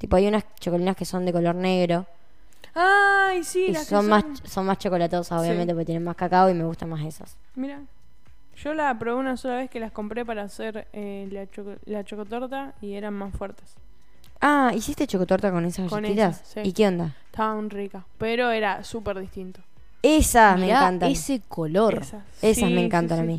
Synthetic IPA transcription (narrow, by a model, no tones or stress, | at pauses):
t̪ipoajunast͡ʃokolinaskeso̞nd̪e̞kolo̞ɾne̞ɣɾo̞ | aisilssommasso̞nmast͡ʃo̞ko̞lat̪o̞sasoβjament̪epɾkejenenmaskakaoime̞ɣust̪anmasesa̰s | miɾa | ʃo̞lapɾoβeunaso̞laβe̞skelasko̞mpɾepaɾaːseɾelat͡ʃolat͡ʃokot̪oɾt̪aieɾanmasfwɛɾt̪es | aisist̪e̞t͡ʃokot̪oɾt̪ako̞nesasateit̪as | ikeond̪a | t̪aβaunrikapeɾoeɾasupeɾðiht̪int̪o | esasmẽŋkant̪aesekoloɾs | esasmẽŋkant̪anami